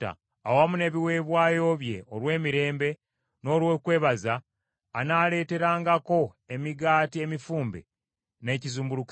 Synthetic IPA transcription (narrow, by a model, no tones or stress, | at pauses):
a̰ː | wamune̞ːβiwe̞ːβwaːjo̞ːβje̞̰olwe̞ːmiɾe̞ːmbe̞ | no̞ːlwekwe̞ːβazaː | naːle̞ːte̞ɾaːŋɡako̞ | e̞miɡaːtie̞mifuːmbḛ | ne̞ːcizuːmbuluk